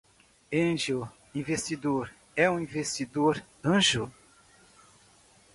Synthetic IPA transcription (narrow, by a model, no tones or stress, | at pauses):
ẽʒʊ | ĩvest̪id̪oɾ | ɛũĩvest̪id̪oɾ | ɐ̃ʒʊ